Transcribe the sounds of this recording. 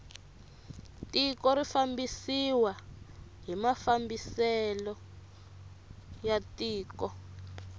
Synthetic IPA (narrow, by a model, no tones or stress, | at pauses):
tikɔɾifambisiwa | ɦimafambisɛlɔ | jatiːkɔ